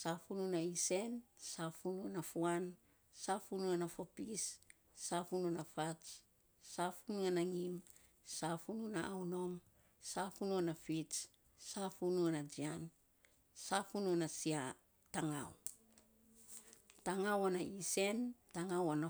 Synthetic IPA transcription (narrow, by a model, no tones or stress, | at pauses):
safununaise̞nsafunuonafuan | safunuanafopisː | afununafat͡ʃ | safunuanaŋim | safununaʔawno̞m | safunuanafit͡ʃ | safunuanad͡ʒian | safunuanasia | taŋa̰w | taŋawanaise̞ntaŋawana